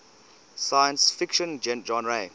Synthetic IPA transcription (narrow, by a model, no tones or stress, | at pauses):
sajə̃nsfikʃə̃nd͡ʒɛ̃nd͡ʒɔ̃nɹe